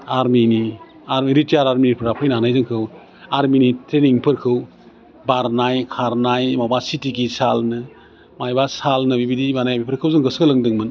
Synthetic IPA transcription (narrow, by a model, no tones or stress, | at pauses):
aɾmini | aɾmiɾitiaɾaɾminipʰɯɾapʰɯjnanajzɯŋkʰɯw | aɾminitʰɾeniŋpʰɯɾkʰɯw | baɾnajkʰaɾnajmabasitiɡisalnɯ | majbasalnɯbibidibanajabipʰɯɾkʰɯwzɯŋɡɯsɡɯlɯŋdɯŋmɯn